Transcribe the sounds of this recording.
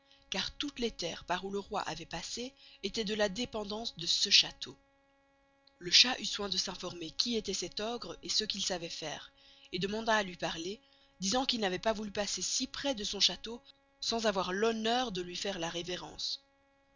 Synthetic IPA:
kaʁt̪ut̪let̪ɛ̰ːʁpaʁuləʁwa̰ʔavɛpaseet̪ɛd̪əlad̪epɑ̃d̪ɑ̃sd̪əsəʃat̪ʰo | ləʃaʔyswɛ̃d̪əsɛ̃fɔʁmekʲiet̪ɛsɛt̪ɔɡʁesəkʲilsavɛfɛ̰ːʁ | ed̪əmɑ̃d̪aːlɥipaʁle | d̪izɑ̃kilnavɛpavulypasesipχɛd̪əsɔ̃ʃat̪o | sɑ̃zavwaʁlɔnœːʁd̪əlɥifɛʁlaʁeveʁɑ̰̃s

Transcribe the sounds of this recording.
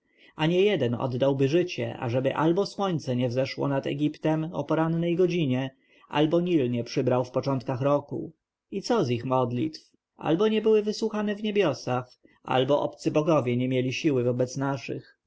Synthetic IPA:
aɲɛjɛd̪ɛnɔ̰d̪ːawbɘʐɘt͡ɕɛ̰ʔa̰ʐɛbɘʔa̰lbɔswɔɲt̪sɛɲɛvzɛʂwɔ̰nat̪ɛ̰ɡʲipt̪ɛmɔ̰pɔɾanːɛjɡɔd͡ʑiɲɛ | ʔa̰lbɔɲilɲɛpʂɘbɾawfpɔt͡ʂɔnt̪̚kaxɾɔkṵ | it̪sɔzixmɔd̪lʲḭt̪f | a̰lbɔɲɛbɘwɘvɘswuxanɛvɲebʲjɔsax | a̰lbɔʔɔ̰pt̪sɘbɔɡɔvʲjɛɲɛmʲjelʲiɕiwɘvɔbɛt̪snaʂɘ̰x

